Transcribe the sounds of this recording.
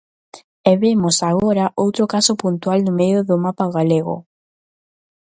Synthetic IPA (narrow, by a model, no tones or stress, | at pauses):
eβemosaɣoɾaʔowt̪ɾokasopunt̪ualnʊmejʊðʊmapaɣaleɣo̰